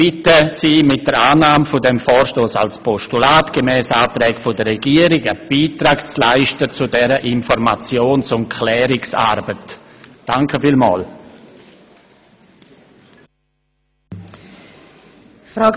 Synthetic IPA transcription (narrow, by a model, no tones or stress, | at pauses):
b̥ɪtəsiːmɪt̚d̥əɾaːnaːmfʊdɛmfɔːɾʃtoːsa̰lspʰɔʃtulaːtɡ̥əmɛːsaːtɾɛːkfʊdəɾrɛɡiːəɾɪɡəb̥iːtɾaːkt͡slaɪʃtət͡sʊdɛɾəʔɪnfɔɾmat͡sjoːnsʊntkʰlɛːɾɪksa̰ːɾbət | d̥aŋkʰəfiːlma̰ːl | fɾa